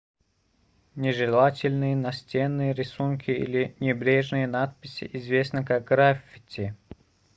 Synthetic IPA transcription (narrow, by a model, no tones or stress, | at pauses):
nʲɪʐɨlˠatʲɪlʲnɨjənɐsʲtʲenːɨjəɾʲɪsunkʲɪḭlʲɪnʲɪbɾʲeʐnɨjənat̪̚pʲɪsʲɪ̰ʔɪzvʲesnɨkak̚ɡɾafʲɪ̥tʲɪ